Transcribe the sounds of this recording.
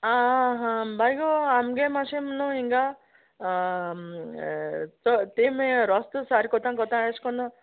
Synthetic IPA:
aɦãbajɡɔamɡemasemnɔiŋɡa | t͡sɔt̪emeɾɔst̪usaɾikɔt̪ãŋkɔt̪ãeskɔnɔ

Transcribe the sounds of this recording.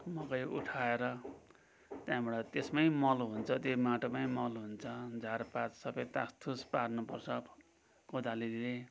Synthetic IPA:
mʌkʌjṵʈʰaeɾʌ | t̪jãbʌɽʌt̪esmajmʌlɦunt͡sʰʌt̪jomaʈomajmʌlɦunt͡sʰʌd͡zʱarpat͡ssʌbʌjt̪a̰st̪ʰusparnupʌrt͡sʰʌ | kod̪alile

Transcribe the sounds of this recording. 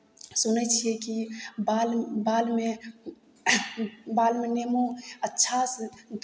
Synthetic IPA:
sunət͡ʃʰiɛkibalbalme | balmenemoətːʃʰasd̪

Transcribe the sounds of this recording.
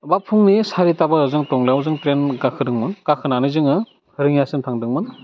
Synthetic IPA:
bapʰuŋnisaɾitabazɯŋtɔŋlejwzɯŋtɾenɡakʰɯdɯŋmɯnkakʰɯnanɯzɯŋɯ | hɯɾɯŋjasɯntʰaŋdɯŋmɯn

